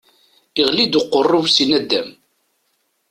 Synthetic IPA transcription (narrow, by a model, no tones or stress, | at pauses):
iʁlid̪ʊqːərˤːʊvsinæd̪ːæm